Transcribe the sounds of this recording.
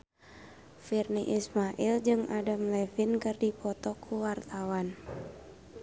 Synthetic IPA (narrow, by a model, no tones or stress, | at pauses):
firniʔismaʔild͡ʒɨŋʔadamlɛfinkɨrdipʰɔt̪ɔkʰuwart̪awan